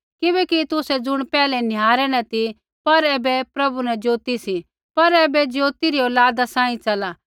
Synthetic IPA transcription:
kɪbɛːkit̪ʊsɛd͡zʊɽ̃pɛːlɛnɪjaːɾɛnɐt̪i | pɐɾeːbɛpɾɐbunɛd͡ʒoːt̪isi | pɐɾeːbɛd͡ʒoːt̪iɾiɔːlaːd̪asãːĩt͡ʃɐlaː

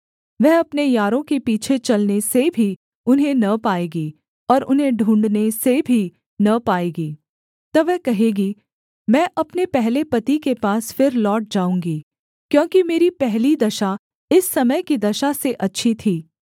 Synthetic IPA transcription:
ʋɛɦɐpnejaːɾõkepiːt͡ʃʰet͡ʃɐlnesebʱi | ʊnɦẽnɐpaːeːɡiː | ɔːɾʔʊnɦẽɖʱũːɳɖnesebʱi | nɐpaːeːɡiː | t̪ɐʋɛɦkɐɦeːɡi | mɛ̃ːʔɐpnepɛɦlepɐt̪ikepaːsfɪɾlɔːʈ̚d͡ʒaːũːŋɡi | kjõːkimeːɾipɛɦlid̪ɐʃa | ɪsːɐməjkid̪ɐʃaseʔɐtːʃʰit̪ʰiː

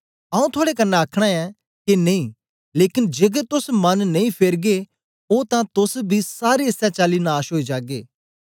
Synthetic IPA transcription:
aːũt̪ʰʊaːɽekɐnːaɐkʰɽ̃ãɛ̃ | keneĩː | leːkɪnd͡ʒeːɡɛt̪ʊsmɐnːɐĩpʰeɾɡe | ot̪ãt̪ʊsbʱisaːɾeɐsɛt͡ʃaːlinaːʃɦoːid͡ʒaːɡeː

